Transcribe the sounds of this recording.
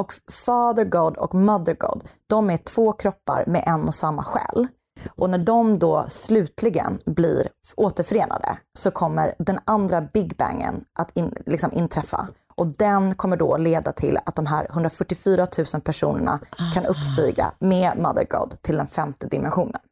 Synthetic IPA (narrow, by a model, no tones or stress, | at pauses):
ɔkfɑːd̪əɡɑd̪ɔ̰kmad̪əɾɡɑ̰d̪d̪ɔmæʈʰv̥oːkʰɾɔpːa̰ɾmɛʔɛnːɔsamːaɧɛ̰ːl | ʔɔnæɖɔmd̪ɔslʉ̟ːt̪ʰlɪɡə̰nblḭːɾoːt̪əɾfœɾeːnʔa̰d̪ə̰sɔkʰɔmːəɾd̪ɛnand̪ɾabɪɡbæ̰ŋːə̰nʔat̪ɪnlɪksɔmʔɪnt̪ʰɾɛfːa̰ | ʔɔd̪ɛnkʰɔmːəɖɔ̰leːd̪at̪ʰɪlat̪̚d̪ɔmɦæːɾhɵnd̪ɾafœʈːɪfyːɾat̪ʰʉ̟ːsənpʰæʂṵːnəɳa̰kʰanɵpːst̪iːɡa̰mema̰d̪ə̰ɾɡɑ̰d̪t̪ʰɪld̪ɛnfɛmt̪əd̪ɪmɛnɧuːnən